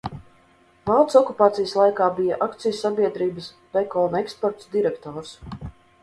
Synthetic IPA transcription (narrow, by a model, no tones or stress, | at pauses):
vɑlˠt̪sɔkupaːt̪sijəslˠajkaːbija̰ʔakt̪sijusːabʲiɛd̪ɾiːbəs | pɛkɔːnɛkspɔɾt̪ud̪iɾɛkt̪ɔːɾs